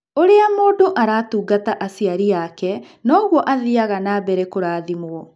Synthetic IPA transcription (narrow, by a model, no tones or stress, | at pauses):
oɾeamoːdoʔaɾaːtuːɡataʔasiaɾijakɛ | nɔːɣwɔʔaðiaɣanabɛɾɛkoɾaːðimwɔ